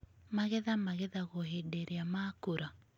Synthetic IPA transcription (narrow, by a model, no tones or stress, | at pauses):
maɣɛðamaɣɛðaɣoɦedeɾeamaːkoɾa